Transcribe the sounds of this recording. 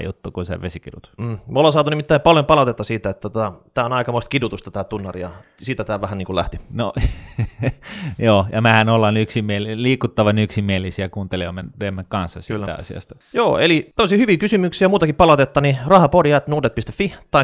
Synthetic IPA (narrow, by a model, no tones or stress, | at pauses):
jṵt̪ːukunsḛʋesikidut̪m̩ːmolːɑsɑːt̪unimit̪ːæipɑljompɑlɑt̪et̪ːɑsiːt̪æet̪ːot̪ot̪ɑt̪æːonɑikɑmoˑist̪kidut̪ust̪ɑt̪æːt̪unːɑrḭjɑ̰siːt̪æt̪æːʋæhæniːkulæ̰ht̪ino̰ | joːjɑmæhænolːɑnyksimielliːkut̪ːɑʋɑnyksimielˑisiækuːnt̪eliomːenremːeŋkɑ̃nsːɑsylːæ̰ɑ̰sḭɑ̰st̪ɑ̥joːḛlit̪ælːsiːhyʋiːkysymyksiæmuːt̪ɑkippɑlɑt̪et̪ːɑnirɑhɑporjɑet̪nuːdet̪̚pist̪efːit̪ɑi